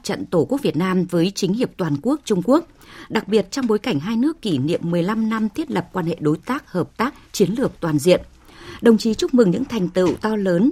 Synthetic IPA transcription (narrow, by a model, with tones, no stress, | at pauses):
t͡ɕə̰˧˨nt̪o˧˩ku˧˦˥ək̚vi˨˩ət̚naː˧mvəː˨˦jt͡ɕï˨˦ŋhi˨˩əp̚t̪waː˨˩nku˦˥ək̚t͡ɕʊ˧ŋ͡mku˦˥ək̚ | ɗa˨˩k̚ɓi˨˩ət̚t͡ɕɔ˧wŋ͡mɓo˨˦jka˧˩jŋ̟ɦaː˧jnɨ˦˥əkːi˧˩nḭ˧˨əmːɨ˨˩əjla˧mna˧mt̪ʰi˦˥ət̚lə˨˩p̚kwaː˧nhḛ˧˨ɗo˨˦jt̪aː˦˥k̚həː˨˩p̚t̪aː˦˥k̚t͡ɕi˨˦ənlɨ˨˩ək̚t̪waː˨˩nzḭ˧˨ən | ɗə˨˩wŋ͡mt͡ɕi˨˦t͡ɕʊ˦˥k͡p̚mɨ˨˩ŋɲɨ̰˧˥ŋt̪ʰa˨˩jŋ̟t̪ɨ̰˧˨wt̪ɔ˧ləː˨˦n